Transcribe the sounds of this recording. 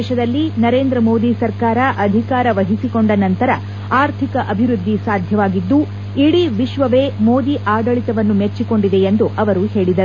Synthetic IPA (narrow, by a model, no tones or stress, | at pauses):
ʃɐd̪ɐlːinɐɾe̞ːnd̪ɾɐmo̞ːd̪isɐɾkaːɾɐʔɐd̪ʱikaːɾɐʋɐɦisiko̞ɳɖɐnɐnt̪ɐɾɐ | aːɾt̪ʰikɐʔɐbʱiɾud̪ʱːisaːd̪ʱjɐʋaːɡid̪ːu | iɽiʋiʃʋɐʋe̞ːmo̞ːd̪iʔaːɡɐɭit̪ɐʋɐnːumet͡ʃːiko̞ɳɖid̪e̞end̪uʔɐʋɐɾuhe̞ːɭid̪ɐɾ